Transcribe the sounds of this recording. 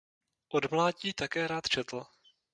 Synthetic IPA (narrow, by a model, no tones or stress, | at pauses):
ʔodmlaːɟiːt̪akɛːɾaːt̪t͡ʃɛt̪l̩